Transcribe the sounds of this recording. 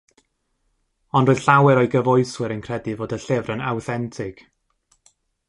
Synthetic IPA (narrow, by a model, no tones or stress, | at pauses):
ɔndroːð̥ɬawɛɾɔɨɡəvɔɨswɪɾənkʰr̥ɛdɨvoːdəɬɪvrənawθɛntʰɪɡ̥